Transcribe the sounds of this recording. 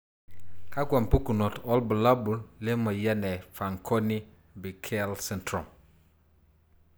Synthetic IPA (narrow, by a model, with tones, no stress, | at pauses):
ka˦kwa˨mpu˦ku˨nɔ˨tɔ˦lbu˨la˦bu˨lɪ˦mɐ˨ja˦nɛ˨fa˨ŋkʰɔ˦ni˦ | bi˨kʰɛ˦lsɛ˦ntɾɔ˨m